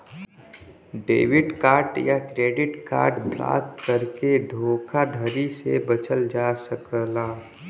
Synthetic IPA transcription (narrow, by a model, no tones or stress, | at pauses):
ɖḛːwɪɖkaːɾʈjakɾeːɖɪʈka̰ːɾʈbla̰ːt̪kəɾked̪ʱoːkʰad̪ʱəɾisḛbət͡ʃəld͡ʒasəkəlaː